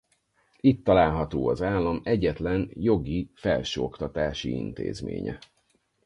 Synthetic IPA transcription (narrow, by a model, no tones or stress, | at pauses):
it̪ːɒlaːlɦɒt̪oːɒzaːlːɒmɛɟɛt̪lɛnjo̞ɡifɛlʃøːokt̪ɒt̪aːʃḭḭnt̪ḛːzmḛːɲɛ̰